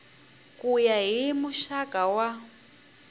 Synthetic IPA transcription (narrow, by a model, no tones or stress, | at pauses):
kʼujaɦimuʃakʼawa